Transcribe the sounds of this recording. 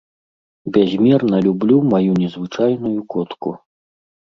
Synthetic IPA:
bʲazʲmʲɛrnɐlʲublʲumajunʲɛzvɨt͡ʂajnujukɔt̪kṵ

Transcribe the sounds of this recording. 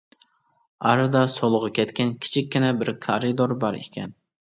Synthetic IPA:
ɑɾɨd̪ɑsolˠʊʁɑkʲʰɛt̪kʲɛnkʲʰi̥t͡ʃʰikʲːinɛbɪɾkʰɑɾɨd̪oɾbɑɾḛkʲʰɛ̰n

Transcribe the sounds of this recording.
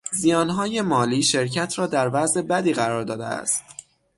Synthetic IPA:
zijɒːnɦɒːje̞mɒːliːʃe̞ɾcʰæt̪ʰɾɒːd̪æɾvæze̞bæd̪iːɣæɾɒːɾd̪ɒːd̪ḛæ̰st̪

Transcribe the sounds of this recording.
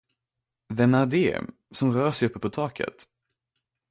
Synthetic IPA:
vɛmæd̪ɪː | sɔmɾœːʂɛjɵpːəpʰɔt̪ʰɑːkʰə̰t̪

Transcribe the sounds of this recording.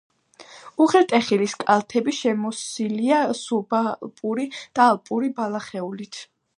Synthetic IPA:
uʁɛt̪ʼɛχiliskʼalˠt̪ʰɛbiʃɛmɔsiliasubalpʼuɾid̪̥aːlˠpʼuɾibalˠaχɛulit̪ʰ

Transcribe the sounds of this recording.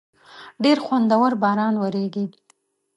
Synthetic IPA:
ɖeɾxwand̪awəɾbɑɾɑnwaɾeɡi

